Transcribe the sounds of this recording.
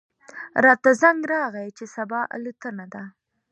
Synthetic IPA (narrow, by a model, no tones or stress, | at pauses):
ɾɑt̪azaŋɡɾɑɣajt͡ʃesabɑʔa̰lut̪ənad̪a